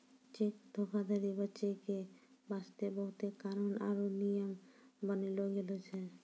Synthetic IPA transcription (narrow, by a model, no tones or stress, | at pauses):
t͡ʃek̚d̪ʱokʰad̪ʱaɾibətːʃekebast̪ebɔɦut̪ekaɾonaɾonijəmbʌniloɡelot͡ʃʰe